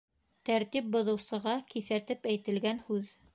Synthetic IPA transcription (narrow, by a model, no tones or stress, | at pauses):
t̪æɾt̪ip̚bŏðɤ̆wsɤ̆ʁɑkiθæt̪ɘpæjt̪ɘ̆lɡænhʉð